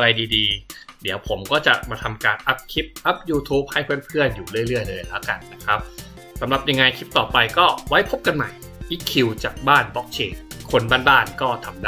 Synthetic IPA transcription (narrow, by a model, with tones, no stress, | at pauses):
ʔa˧ɾa˧jdiː˧diː˧di˩˦əwpʰo˩˦mkɔː˥˩t͡ɕa˨˩ʔmaː˧t̪ʰa˧mkaː˧nʔa˦˥p̚kʰi˦˥p̚ʔa˦˥p̚juː˧t̪ʰuː˦˥p̚ha˥˩jpʰɯː˥˩ənpʰɯ˥˩ənjuː˨˩ɾɯ˥˩əjɾɯ˥˩əjlɤː˧jlɛ˦˥wka˧nːa˦˥kʰɾa˦˥p̚ | sa˨˩˦mɾa˨˩p̚ja˧ŋːa˧jkʰi˦˥p̚t̪ɔː˨˩pa˧jkɔː˥˩wa˦˥jpʰo˦˥p̚ka˧nma˨˩j | ʔiː˦˥kʰi˧wt͡ɕaː˨˩k̚baː˥˩nbɔ˦˥k̚t͡ɕʰeː˧nkʰo˧nbaː˥˩nbaː˥˩nkɔː˥˩t̪ʰa˧mda˥